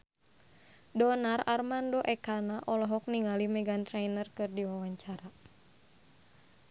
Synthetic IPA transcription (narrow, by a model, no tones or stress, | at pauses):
dɔnararmandɔʔɛkanaʔɔlɔɦɔk̚niŋalimɛɡant̪ɾɛjnərkɨrdiwawaɲt͡ʃaɾa